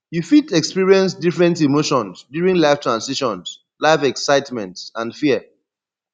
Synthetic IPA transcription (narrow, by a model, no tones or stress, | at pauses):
jufitɛkspiɹiɛ̃ns̬difɹɛ̃ntimoʃɔ̃nsdjuɹĩŋlaɪftɹãnsiʃɔ̃ns | laɪfɛksaɪtmɛ̃ntsãndfiə